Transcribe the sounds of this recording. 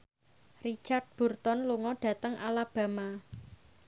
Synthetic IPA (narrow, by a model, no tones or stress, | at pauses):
rit͡ʃard̪̚b̥ṳrt̪ɔnluŋɔɖ̥ä̤t̪əŋʔalab̥ä̤ma